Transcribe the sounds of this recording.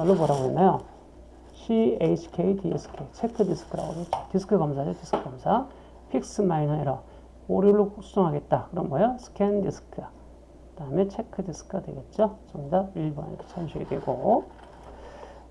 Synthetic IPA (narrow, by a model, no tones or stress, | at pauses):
ʌɭːopʌɾaboinajo | ɕʰieit͡ɕʰi̥kʰeitiesʰɯ̥kʰet͡ɕʰe̞kʰːɯdisʰɯ̥kʰɯɾa̰ɡoɾotisʰɯ̥kʰɯɡamsʰad͡ʑotisʰɯ̥kʰɯɡamsʰa | pʰik̚sɯmainʌeɾʌ | oɾiɭːosʰu̥s͈ʰoŋɦaɡe̞t̚t͈akɯɾʌnbʌjosʰɯ̥kʰendisɯ̥kʰɯa | taɯmet͡ɕʰekʰɯdisʰɯ̥kʰɯɡadwe̞ɡe̞t̚t͡ɕ͈ot͡ɕʌmdaiɭbʌnḛkʰːe̥t͡ɕʰanɕʰiḭdwḛɡo